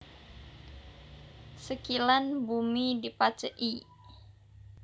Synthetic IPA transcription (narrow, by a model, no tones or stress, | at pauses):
səkilanbumidipat͡ʃəʔi